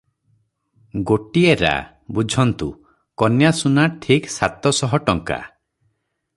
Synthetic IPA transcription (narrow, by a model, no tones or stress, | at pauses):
ɡoʈieɾa̰ | bud͡ʒʱɔnt̪u | kɔnjasunaʈʰiksat̪ɔsɔɦɔʈɔŋka̰